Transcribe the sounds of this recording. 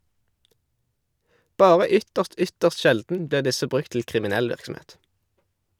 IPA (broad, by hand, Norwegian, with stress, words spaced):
ˈbɑːʁə ˈʏtəʁst ˈʏtəʁs ˈʃɛldn̩ ˈbliːʁ ˈdɪsə ˈbʁʉk tl̩ kʁɪmɪˈnɛl ˈʋɪʁksm̩ˌeːt